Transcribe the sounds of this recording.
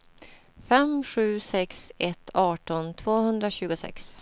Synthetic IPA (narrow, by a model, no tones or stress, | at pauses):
fɛmɧʉ̟ːsɛksɛt̪ʰːɑːʈɔnt̪ʰvoːhɵnd̪ɾaɕʉ̟ːɡʊsɛ̰ks